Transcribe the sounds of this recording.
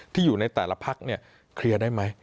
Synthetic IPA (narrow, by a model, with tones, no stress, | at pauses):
t̪ʰiː˥˩juː˨˩na˧jt̪ɛː˨˩la˧pʰa˦˥k̚ni˥˩ɐ | kʰɾi˧ədaː˥˩jma˦˥j